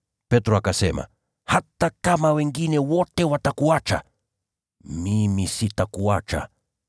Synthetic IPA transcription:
pɛtɾɔakasɛma̰ | hatakamawɛŋɡinɛwɔtɛwatakuat͡ʃa̰ | mimisitakuat͡ʃa̰

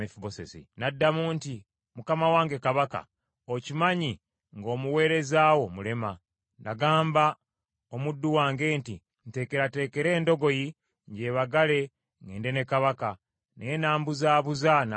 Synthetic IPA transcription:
efuβosḛzḭnadːamuːnti | mukamawaːŋɡe̞kaβaka̰ | ocimaɲi | ŋɡo̞ːmuwe̞ːɾe̞zaːwo̞mule̞ma | naɡaːmba | omudːuwaːŋɡe̞ːntḭ | n̩te̞ːke̞ɾate̞ːke̞ɾe̞ːndo̞ɡo̞ji | ɲɟe̞ːβaɡale̞ | ŋɡeːndene̞kaβaka | neenaːmbuzaːβuzan

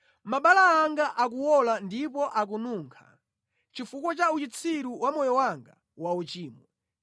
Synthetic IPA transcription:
maɓalaːŋɡaʔakuwɔlandipɔʔak̬unuːŋkʰa̰ | t͡ʃifuk̬wɔt͡ʃaut͡ʃit͡sʰiɾuwamɔjɔwaŋɡa | waut͡ʃiːmɔ

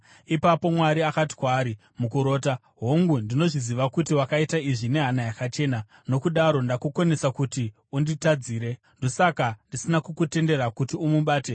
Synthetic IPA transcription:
ipapo̞mwaɾiakati̥kwaːɾi | mukuɾo̞ːta | ɦoŋɡundino̞ʐiziʋakutiwakaitaiʐine̞ɦanajakat͡ʃe̞ːna | no̞kuɗaɾo̞ndakukone̞sakuti | unditad͡ziːɾe̞ | ndo̞sakandisinakukute̞nde̞ɾakutiumuɓaːte̞

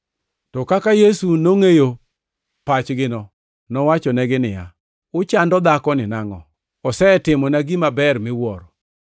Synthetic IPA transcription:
tɔkakajesunoŋejo | pat͡ʃɡɪnɔ | nɔwat͡ʃɔnɛɡɪnɪja̰ | ʊt͡ʃandɔd̪akɔnɪnaŋɔ̰ | ɔsɛtɪmɔnaɡimabɛrmɪwɔɾɔ

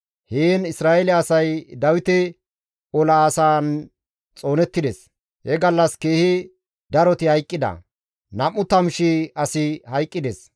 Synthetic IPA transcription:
heːnɪsɾaːʔɛlɛɐsɐjd̪ɐwɪt̪ɛ | ɔlaːsaːn | t͡sʼo̞ːnɛt̪ːɪd̪es | hɛɡɐlːɐskeːhɪ | d̪ɐɾɔt̪ɪhɐjkʼːɪd̪ɐ̰ | nɐmːʊt̪ɐmʃɪɐsɪhɐjkʼːɪd̪es

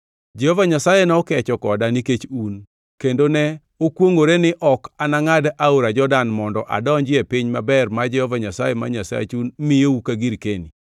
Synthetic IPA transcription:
d͡ʒɛhɔvaɲasajenɛɔkɛt͡ʃɔkɔdaniket͡ʃun | kendonɛ | okwoŋoɾenɪʔɔkanaŋadaoɾad͡ʒɔdanmɔndɔʔa̰dɔɲd͡ʒɪepɪɲmabɛrmad͡ʒɛhɔvaɲasajema̰ɲasa̰t͡ʃunmɪjoukaɡiɾkeni

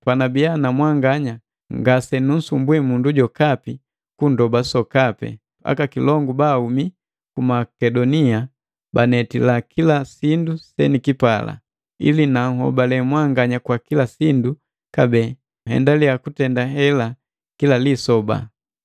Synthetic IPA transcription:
panabianamwaŋɡaɲa | ŋɡasɛnun̩sumbwɛmunduɟɔkapi | kundɔbasɔkapɛ̰ | a̰kakilɔŋɡubaumi | kumakɛdɔnia | banɛtilakʰilasindusɛnikipala̰ | ḭlinaŋ̩hɔ̰balɛmwaŋɡaɲakwakilasindu | kabɛ | hɛ̰ndalijakutɛndaɦɛla | kilalisɔba̰

